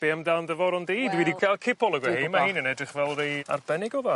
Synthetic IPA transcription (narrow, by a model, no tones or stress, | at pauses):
b̥eəmdalˠndəvɔɾɔndejdwidikʰal̚ˠkʰɪpʰɔlˠəɡwɛhemaɦiːnənɛdrɪχvɛlˠreja̰rbɛnɪɡɔva